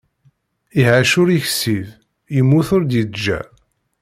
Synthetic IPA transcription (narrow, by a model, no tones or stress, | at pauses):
iɦaʃʊɾiçsiv | jəmːuθʊɾd̪jid̪d͡ʒːæ̰